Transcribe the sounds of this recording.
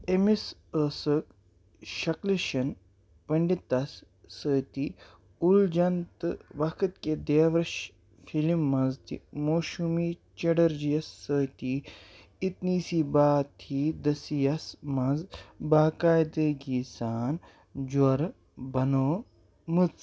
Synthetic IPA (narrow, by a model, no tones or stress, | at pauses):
emisəsək | ʃɐkliʃɐn | pɐɳɖit̪ːɐsː | əːt̪i | uld͡ʒɐnt̪ɨʋɐkʰɨt̪ked̪eːʋɾɐʃ | fʰilimːɐnzt̪imoːʃumiːt͡ʃɐɽɐɾd͡ʒijɐsːəːt̪i | it̪niːsiːbaːt̪ʰiːd̪ɐsijɐsmɐnzbaːkaːjd̪eːɡiːsaːn | d͡ʒwɐɾ | bɐnoː | mɨt͡s